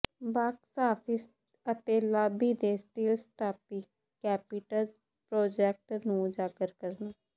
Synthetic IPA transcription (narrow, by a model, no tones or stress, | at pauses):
baːksaːpʰɪs | ət̪eːlaːbiːd̪eːsʈiːlsʈaːpikːɛːpɪʈəlz | pɾoːd͡ʒɛːk̚ʈnũːd͡ʒaːkəɾkəɾnaː